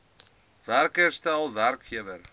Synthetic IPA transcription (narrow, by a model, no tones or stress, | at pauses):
vɛɾkɛɾ̥st̪ɛawvɛɾkçɛvɛɾ